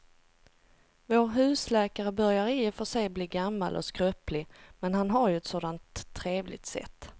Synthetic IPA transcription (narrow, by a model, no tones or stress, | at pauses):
voːɾɦʉ̟ːslɛːkaɾəbœɾjaɾɪfœʂɛjbliːɡamːa̰lʔɔ̰skɾœplɪmɛnɦanɦaɾjɵɛt̪soːd̪ant̪ʰːɾeːvlɪɡ̚t̪sɛ̰t̪ː